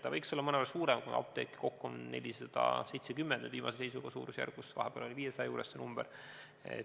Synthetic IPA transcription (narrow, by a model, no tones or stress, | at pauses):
t̪ːɑvɤjksolːɑmɤnevɑlsuːɾɛmkun̰ɑ̰p̚t̪e̞̰ːkːi̥ko̞kːuomne̞̰lʲisɑd̪̥ɑ̰se̞jt̪sekymːend̥̪nyd̪viːmɑ̰sesejsuɡ̥ɑsṵːɾusjæ̰rɡ̥usvɑ̰ɦeb̥ḛːlo̞liviːjesɑjɑjuːɾesːenumb̥eɾ | ḛ